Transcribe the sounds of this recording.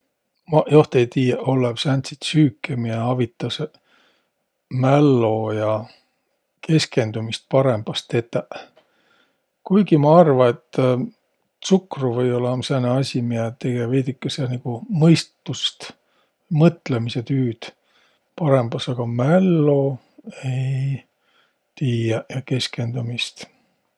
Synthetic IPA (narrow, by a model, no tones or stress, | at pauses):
mɑjoht̪ejt̪iːjeʔo̞lːepsænt̪sit̪syːkːˑemiɑɑvit̪ːˑɑs | mælːo̞jɑ | kʰe̞ske̞nd̪umist̪̚pɑɾe̞mb̥ɑst̪e̞t̪ːˑeʔ | kujɡ̥imɑɑrvɑet̪ːˑ | sukruvɤjo̞lɑɑmseneɑsʲimiɛt̪eɡeveːd̪ikːˑɑsɑniɡ̥umɤjst̪ːust̪ | mɤt̪ːlemiset̪yːd̪̥ | pɑɾe̞mb̥ɑsɑɡ̥ɑmælːo̞ | e̞j | t̪iːjɑjɑke̞ske̞nd̪umist̪